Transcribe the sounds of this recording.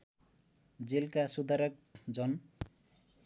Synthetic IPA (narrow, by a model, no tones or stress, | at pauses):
d͡zilkasud̪ʱaɾʌkd͡zʌn